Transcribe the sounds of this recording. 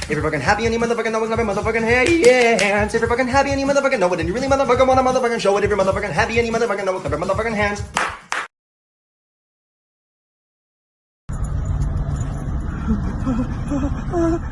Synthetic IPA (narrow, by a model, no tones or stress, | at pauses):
ɛvɹifʌkɨ̃nɦæpiɨ̃njɨmʌðə˞fʌkɨ̃nːoʊwknvamʌðə˞fʌkɨ̃nhæ̃jæhæ̃nzɛvifʌkɨ̃nɦæpiɨ̃njɨmʌðə˞fʌkɨ̃nːoʊwʌdɪdⁿn̩ɨɹɪlˠimʌðə˞fʌkə̃nwɑ̃nəmʌðə˞fʌkɨ̃nʃoʊwʌɾɛvɹimʌðə˞fʌkɨ̃nɦæpiɨ̃njɨmʌðə˞fʌkɨ̃noʊwʌkʰʌvəmʌðə˞fʌkɨ̃nɦæ̃nz̥